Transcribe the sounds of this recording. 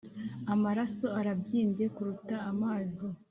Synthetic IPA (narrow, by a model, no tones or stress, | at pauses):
amaɾaso̞aɾabɟiːɲɟe̞kuɾutaːmaːzi